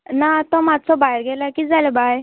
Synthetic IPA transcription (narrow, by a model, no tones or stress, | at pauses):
nat̪ɔmat͡sɔbaiɾɡɛlakiːd͡zalebaj